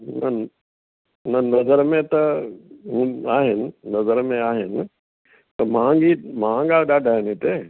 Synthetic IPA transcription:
ɦnɐ | nənɐzəɾmẽt̪ɐɦũːaːɦɪnɪ̆nɐzəɾmẽaːɦɪnɪ | t̪ɐmãŋɡimããŋɡaːɗaːɖʱaːɦɪnĩt̪eː

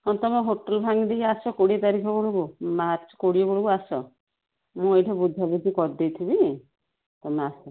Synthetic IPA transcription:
ɔnt̪ɔmɔɦoʈɔlbʱaŋid̪eiasɔkoɽit̪aɾikʰɔbɔɽubumaɾt͡ʃɔ̥koɽiɔbɔɽubuasɔ | mũejʈʰɔbud̪ʱːabud̪ʱikɔɾd̪ejt̪ʰibi | t̪ɔmasɔ

